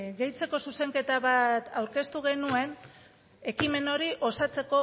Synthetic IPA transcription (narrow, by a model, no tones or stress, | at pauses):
ɣe̞jt͡se̞ko̞suse̞ŋke̞t̪aβat̪awɾke̞st̪uɣ̞e̞nue̞n | e̞kime̞no̞ɾiʔo̞sat͡se̞ko̞